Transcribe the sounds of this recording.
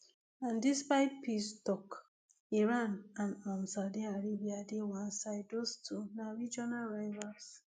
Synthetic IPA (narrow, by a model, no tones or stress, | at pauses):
andɪspaɪtpistɔk | iɾanãnɔmsadiaɾibiadɪwansaɪdostʰunaɾid͡ʒɔnalɾaɪvas